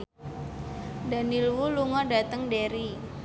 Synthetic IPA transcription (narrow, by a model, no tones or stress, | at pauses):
danilwuluŋɔdat̪əŋdeɾi